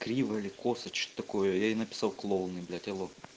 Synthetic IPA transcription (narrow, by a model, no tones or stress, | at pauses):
kɾʲiʋɐlʲɪkosɐt͡ʃt̪ɐkojojanɐpʲɪ̥sɑwklˠolˠnɨjbʲlʲɛt̪ʲɛlˠo